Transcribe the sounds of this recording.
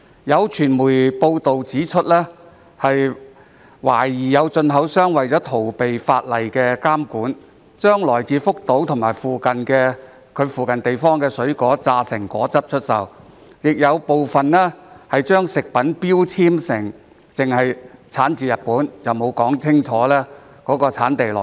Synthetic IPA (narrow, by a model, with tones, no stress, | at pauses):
jɐ˨˧wt͡ʃʰyː˨˩nmuː˨˩jpo˧wt̪o˨wt͡siː˨˥t͡ʃʰɵ˥t̚lɛː˥ | hɐ˨j | waː˨˩jiː˨˩jɐ˨˧wt͡ʃɵ˧nɦɐ˨˥wsœː˥ŋwɐ˨jt͡sɔː˨˥t̪ʰo˨˩wpe˨jfaː˧t̚lɐ˨˩jkɛː˧kaː˥mkuː˨˥n | t͡ʃœː˥ŋlɔː˨˩jt͡siː˨˧fʊ˥k̚t̪o˨˥wt̪ʰŋmaː˨˩jfuː˨kɐ˨nkɛː˧ | kʰɵ˨˧ɥfuː˨˩kɐ˨nt̪e˨jfɔː˥ŋkɛː˧sɵ˨˥ɥkɔː˨˥t͡saː˧sɪ˨˩ŋkʷɔː˨˥t͡sɐ˥p̚t͡ʃʰɵ˥t̚sɐ˨w | jɪ˨k̚jɐ˨˧wpo˨wfɐ˨nlɛː˥hɐ˨jt͡ʃœː˥ŋsɪ˨k̚pɐ˨˥npiː˥wt͡sʰiː˥msɪ˨˩ŋ | t͡sɪ˨ŋhɐ˨jt͡sʰaː˨˥nt͡siː˨˧jɐ˨t̚puː˨˥nt͡sɐ˨wmo˨˧wkɔː˨˥ŋt͡sʰɪ˥ŋt͡ʃʰɔː˨˥lɛː˥ | kɔː˨˧˥kɔː˧t͡sʰaː˨˥nt̪e˨jlɔ̰˨˩